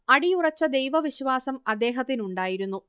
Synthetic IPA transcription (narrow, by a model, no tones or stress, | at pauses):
ɐɽijurɐt͡ɕːɐd̪e̞jʋɐʋiɕʋaːsɐmɐd̪ːe̞ːɦɐt̪ːinuɳɖaːjiɾunːu